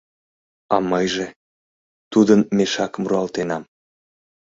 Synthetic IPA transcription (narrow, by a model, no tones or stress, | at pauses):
ɑmɤjʒe | t̪ud̪ənmeʃɑkmuɾuɑlt̪enɑm